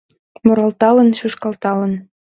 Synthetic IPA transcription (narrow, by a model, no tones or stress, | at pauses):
moɾɑlt̪ɑlɤ̆nɕuʃkɑlt̪ɑlɤ̆n